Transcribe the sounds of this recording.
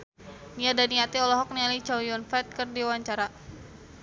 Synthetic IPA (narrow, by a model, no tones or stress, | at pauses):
niadaniat̪iɔlɔɦɔk̚nialit͡ʃawjɔnfɛt̪̚kərdiwaɲt͡ʃaɾa